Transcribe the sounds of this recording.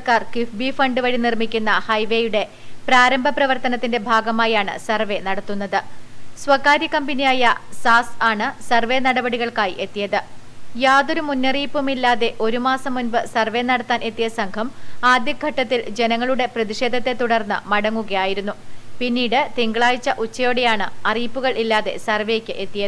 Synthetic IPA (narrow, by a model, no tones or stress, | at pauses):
kaːrkifbifɐɳɖɨʋɐɻinirmikʲːunːɐhɐjʋe̞ːjuɽe̞ | praːɾɐmbʱɐprɐʋɐrt̪ɐnɐt̪ːinde̞bʱaːɡɐmaːjaːɳɨ̰sɐrʋe̞nɐɽɐt̪ːun̪ːɐðɨswɐkːaːɾjɐkɐmbɐnijaːjɐsaːsaːɳɨsɐrʋe̞nɐɽɐbɐɽiɣɐɭkaːjiʔe̞t̪ːijɐðɨjaːðo̞ɾumunːɐriːpːumilːaːðe̞ʔo̞ɾumaːsɐmːunbɨsɐrʋe̞nɐɽɐt̪ːaːne̞t̪ːijɐsɐŋkʰɐmaːd̪jɐɡʱɐʈːɐt̪ːild͡ʑe̞nɐŋːɐɭuɽe̞prɐðiʂe̞ːd̪ʱɐt̪ːe̞t̪ːuɽɐrnːɨ̰mɐɽɐŋːuɣɐjaːjiɾunːupinːiːɽɨt̪eŋɡɐɭaːjit͡ɕːɐʔut͡ɕːɐjoːɽe̞jaːɳɨɐriːpːuɣɐɭʔilːaːðe̞̰sɐrʋejekʲːɨʔe̞t̪ːijɐðɨ